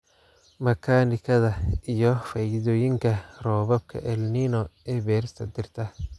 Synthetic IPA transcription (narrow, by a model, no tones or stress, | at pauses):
mɐkʰaːnɪkʰɐðɐijɔfɐjðɔːjɪŋkʰɐrɔːβɐb̚kʰɐ̰ʔɛlninɔɛːbɛːɾɪst̪ʰɐd̪ɪrt̪ʰɐ